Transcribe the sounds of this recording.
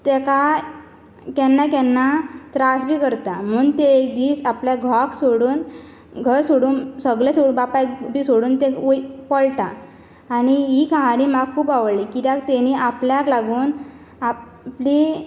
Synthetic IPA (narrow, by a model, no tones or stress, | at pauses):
t̪ɛka | kɛnːakɛnːat̪ɾasbʱiːkəɾt̪amuːŋt̪eek̚d̪iːsapljaɡʱaksoɽuːn | ɡʱəɾsoɽuːnsəɡɭesoubapabʱiːsoɽuːnt̪eopəɭʈ̪aː | ñiɦikãɦaɽimaɡkʰːuːpaʋɭlikit̪jãkt̪ɛniapljaklaɡuːn | a | pli